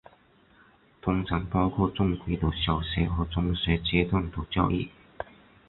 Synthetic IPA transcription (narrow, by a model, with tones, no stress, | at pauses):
t̪ʰʊ˧ŋt͡sʰɐ˨˥npɐ˥˧wkʰɔː˥˧t͡sʊ˥˧ŋkʰi˨˧˥t̪o˨˩wsjɐ˨˩wsɛː˨˥ɦɔː˨˧˥t͡sʊ˧˥ŋsɛː˨˥t͡ɕɛː˧˥t̪ʊ˥˩nt̪o˨˩wt͡sjɐ̰˥wʔḭː˥˩